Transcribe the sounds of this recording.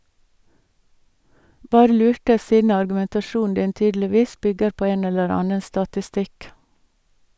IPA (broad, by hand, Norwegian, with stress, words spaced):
ˈbɑːɾə ˈlʉːʈə ˈsiːdn̩ ɑɾɡʉmɛntɑˈʃuːn̩ ˈdɪn ˈtyːdl̩ɪˌʋiːs ˈbʏɡəɾ ˈpoː ˈeːn ˈɛləɾ ˈɑːnə stɑtɪˈstɪk